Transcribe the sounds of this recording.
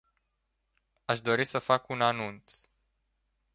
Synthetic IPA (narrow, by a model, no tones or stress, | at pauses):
aʃd̪o̞ɾisəfakunanunt̪s